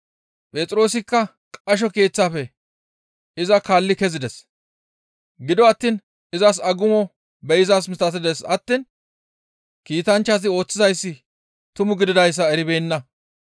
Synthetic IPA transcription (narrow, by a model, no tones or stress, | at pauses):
pʼeːt͡sʼɾo̞ːsɪkːɐ | kʼɐʃ̬ɔke̞ːt͡sːaːfɛ | ɪzɐkaːlːɪkɛzɪd̪ɛs | ɡɪd̪ɔɐt̪ːiːn | ɪzɐs̬ɐɡʊmɔ | bɛjɪzaːs̬mɪst̪ɐt̪ɪd̪ɛsɐt̪ːiːn | kiːt̪ɐnt͡ʃːas̬ɪo̞ːt͡sːɪzɐjsːɪ | t̪ʊmʊɡɪd̪ɪd̪ɐjs̬ːɐɛɾɪbeːnːɐ